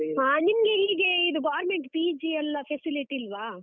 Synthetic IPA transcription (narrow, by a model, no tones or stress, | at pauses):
aːnimɐɡe̞iːɡe̞id̪uɡaːɾmeɳʈpiːd͡ʒiɐlːɐpʰesiliʈiːlʋaː